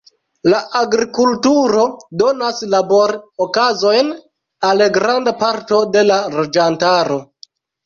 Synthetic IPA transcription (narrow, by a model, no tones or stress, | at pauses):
laʔaɡɾikultuɾo̞do̞naslaboɾokazo̞jn | alɡɾandapaɾto̞de̞laɾod͡ʒantaɾo̞